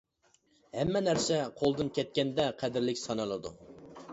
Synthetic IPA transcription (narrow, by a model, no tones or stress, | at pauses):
hɛmːɛnæɾsɛqʰolˠd̪ɨnkʲʰɛt̪̚kʲɛnd̪ɛqʰæd̪ɪɾlɪkʲsɑnɨlˠɨd̪ṵ